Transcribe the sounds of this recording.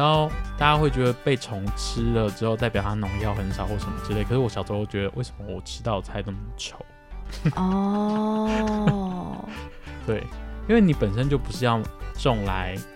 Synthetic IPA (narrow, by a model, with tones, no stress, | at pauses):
ɻa˧˦xo˥˧ʊt̪a˥˧˩t͡ɕja˥xwe˥˩ɪt͡ɕɥɛ˧˥d̪ə˧pe˥˩ɪt͡sʰʊ˧˥ŋʈ͡ʂ̩ʰ˥lə˨ʈ͡ʂɻ̩˧˥o˥˧ʊt̪a˥˩ɪpjɑ˨˩ʊt̪ʰa˥nʊ˧˥ŋjɑ˥˩ʊxə˧˦nʂɑ˨˩ʊxwɔ˥˩ʂə˧˥nmə˧ʈ͡ʂɻ̩˥le˥˩ɪkʰʂɻ̩˥˩wɔ˧˥ɕjɑ˨˩ʊt͡sʰo˥xo˥˩t͡ɕɥɛ˧˦˥d̪ə˧we˥˩ɪʂə˧˦mə˧wɔ˨˩ʈ͡ʂʰɻ̩˥t̪ɑ˥˩ʊ˩t͡sʰa˧˥ɪnə˥˩m˨˩t͡ɕʰjo˨˦ʊ | ɔ | t̪we˥˩ɪi˥nwe˥˩ɪni˨˥pə˨˩nʂ̬ə˥˦nt͡ɕjo˥˩ʊpu˧˥ʂɻ̩˥˧jɑ˥˧ŋʈ͡ʂɔ˥˩ŋla˧˦ɪ